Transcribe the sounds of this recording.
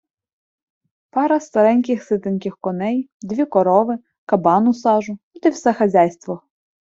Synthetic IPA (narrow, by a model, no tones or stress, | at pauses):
pɑɾɐst̪ɐɾɛnʲkʲɪxsɪt̪ɪnʲkʲɪxkɔnɛjd̪ʋʲikɔɾɔʋɪ | kɐbɑnʊsɑʒʊ | t̪ɪwsɛxɐzʲajst̪ʋɔ